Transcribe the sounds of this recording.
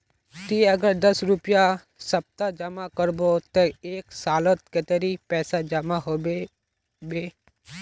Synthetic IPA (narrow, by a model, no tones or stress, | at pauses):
t̪iəɡəɾd̪əsɾʊpja | səp̚t̪ad͡ʒɐmakəɾbot̪eeːksaːlət̪ket̪eɾipɛːsad͡ʒɐmaɦobe | beː